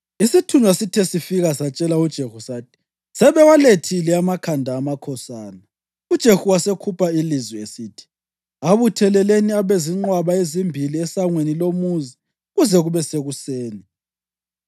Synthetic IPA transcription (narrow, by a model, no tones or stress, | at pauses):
isitʰunwasitʰɛsifiɣasat͡ʃʼɛlaud̥ʒ̥ʱehusaːtʰi̥ | sɛβɛwaletʰilɛamakʰandʱaːmakʰɔsaːna | ud̥ʒ̥ʱexuwasekʰupʰailizwiesiːtʰi̥ | aβutʰɛlɛleniaβeziŋ͡ǃwaβaezimbʱiliɛsaŋwenilomuzi | ɣuzɛɣuβɛseɣuseːni